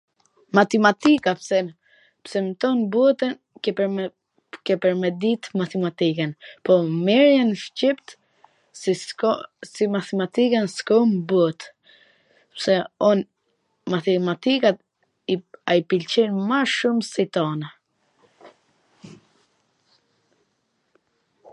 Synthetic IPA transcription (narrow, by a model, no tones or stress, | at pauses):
mat̪ɛmat̪ikapsɛ | psɛmt̪ɔnbut̪ɛn | ɛ | kɛpɛɾmɛd̪it̪mat̪ɛmat̪ikɛnpɔmɛɾjanʃcipt̪ | simat̪ɛmat̪ikɛnskɔmbut̪ | ɛ̥psɛɔn | mat̪ɛmat̪ikat̪ | iaipilt͡ɕɛnmaʃumsit̪ɔna